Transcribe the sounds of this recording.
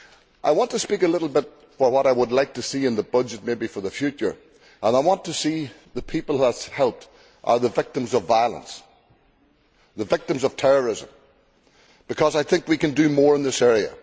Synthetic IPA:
ʔaɪwɑ̃ntɨspikəlɪɾl̩ˠbɪt | fə˞wʌɾaɪwədˡlaɪk̚tʰɨsiɨ̃nðəbʌd͡ʒɨt̚mebifə˞ðəfjʉt͡ʃə̰˞ | ʔə̃naɪwɑ̃ntʰəsi | ðəpʰipl̩ˠðətshɛlˠp̚t | ʔə̰˞ðəvɪk̚tə̃mzʌvaɪəlˠə̰̃ns | ðəvɪk̚tə̃mzʌv̥tʰɛɹə˞ɪzə̰̃m | b̥ɨkʰʌzaɪθɪ̃ŋkwikɨ̃ndɨmɔɹɨ̃nðɪsɛɹiə̰

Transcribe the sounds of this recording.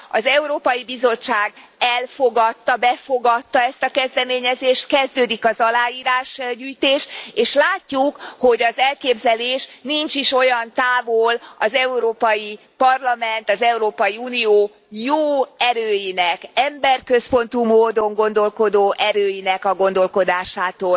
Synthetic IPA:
ɒzɛuɾoːpɒjibizo̞t͡ʃːaːɡɛlfo̞ɡɒt̪ːɒbɛfo̞ɡɒt̪ːɒɛst̪ɒkɛzd̪ɛmeːɲɛzeːʃt̪kɛzd̪øːd̪ikɒzɒlaːjiːɾaːʃɟyːjt̪eːʃt̪eːʃlaːcːukho̞ɟɒzɛlkeːbzɛleːʃnint͡ʃiʃo̞jɒnt̪aːvolɒzɛuɾoːpɒji | pɒrlɒmɛnt̪ɒzɛuɾoːpɒjiuːnioː | joːɛɾøːjinɛkɛmbɛrkø̞spo̞nt̪umoːd̪o̞ŋɡo̞nd̪o̞lko̞d̪oːʔɛɾøːjinɛkɒɡo̞nd̪o̞lko̞d̪aːʃaːt̪oːl

